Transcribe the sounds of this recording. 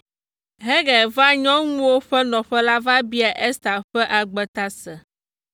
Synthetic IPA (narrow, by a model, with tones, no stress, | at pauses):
ɦɛ˦ɡɛ˨va˦ɲɔ̃˦ŋũ˦wo˦ɸɛ˦nɔ̃˨ɸɛ˦la˦va˦bi˦a˨ʔɛ˦st̪a˨ɸɛ˦ʔa˨ɡ͡bɛ˨t̪a˦sɛ˨